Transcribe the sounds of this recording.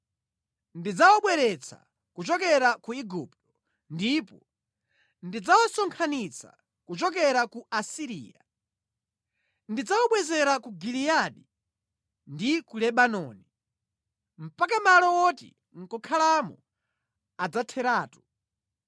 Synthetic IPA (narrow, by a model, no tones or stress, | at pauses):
ndid͡zawɔɓwɛɾɛt͡sʰa̰ | kut͡ʃɔkɛɾakuiɡuptɔ̥ | ndipɔ | ndid͡zawɔsɔŋkʰanit͡sʰa̰ | kut͡ʃɔk̬ɛɾakuʔasiɾḭːja | ndid͡zawɔɓwɛzɛɾakuɡilijaɗi | ndikulɛɓanɔːni | m̩pakamalɔwɔtḭ | ŋ̩kɔkʰalamɔ̰ | ad͡zatʰɛɾaːtu̥